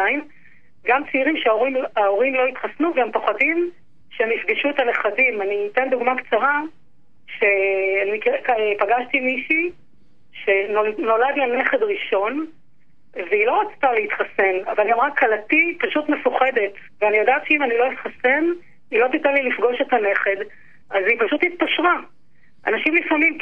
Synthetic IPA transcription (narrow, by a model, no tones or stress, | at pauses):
aim | ɡamt͡siiʁimʃeaoʁimao̞ʁimlo̞it̪χasnuveempoχadim | ʃeemifɡiʃuetane̞χadimanitend̪uɡmakt͡saʁa | ʃe̞anikkpaɡaʃtimiʃi | ʃe̞nono̞ladlane̞χe̞dʁiʃo̞n | veilo̞ʁat͡st̪aleit̪χase̞navalɡamʁakʰːalatipaʃutmefuχe̞de̞tveanijodaːtʃeimanilo̞itχase̞n | ilot̪it̪alilifɡo̞ʃetane̞χe̞d | ʔazipaʃutit̪̚paʃʁa | ʔa̰naʃimlifamim